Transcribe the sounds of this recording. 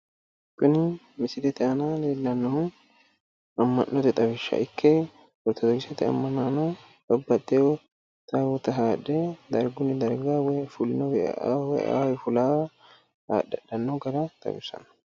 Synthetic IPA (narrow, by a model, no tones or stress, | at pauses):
kʊnɪ | mɪsɪd̪ɛt̪ɛʔɐnaːleːlːɐnːɔ | ɐmːɐ̰nːɔt̪ɛt̪ʼɐbɪʃːɐ̰ʔɪkʰːe | wɔɾt̪ɐd̪ɔɡɪsɛt̪ɪɐ̰mːɐnːaːno | bɐbːɐt̪ʼːew | t̪awɔt̪ɐɦaːᶑːed̪ɐɾɡʊnɪd̪ɐɾɡaːwɛfʊlnɔwɛa̰wɛ̰ʔa̰ːwɛfʊlaː | ha̰ːdɐᶑːɐnːoɡɐɾɐt̪ʼɐ̰bɪsɐ̰nɐ̥